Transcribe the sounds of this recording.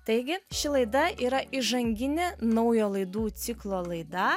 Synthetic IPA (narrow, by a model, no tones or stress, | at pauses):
t̪ɐɪɡʲɪʃʲɪlˠɐɪd̪ɐʔiːɾɐʔɪʒɐŋʲɡʲɪnʲenɐʊjoːlˠɐɪd̪uːt̪sʲɪklˠoːlˠɐɪd̪ɐ